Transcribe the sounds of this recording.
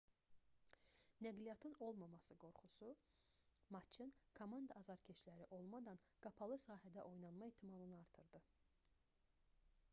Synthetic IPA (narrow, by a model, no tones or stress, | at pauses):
næɡlijɑt̪ʰɯno̞lˠmɑmɑsɯɡo̞ɾχusu | mɑt͡ʃʰɯnkʰomɑnd̪ɑːzɑɾcʰet͡ʃlæɾiʔo̞lˠmɑd̪ɑn | ɡ̥ɑpʰɑlˠɯsɑːɦæd̪æʔo̞jnɑnmɑeht̪ʰːimɑlˠɯnɯɑɾt̪ʰɯɾd̪ɯ